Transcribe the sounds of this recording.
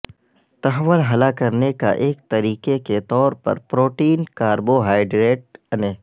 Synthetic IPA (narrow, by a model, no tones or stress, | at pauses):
t̪ɐɦəʋːəlɦɐlakɐɾneka̰ʔeːk̚t̪ɐɾiːkeket̪ɔːɾpɐ̰ɾpɾoːʈiːnkaːɾboɦaːɪɖɾeːʈ̚ɐneː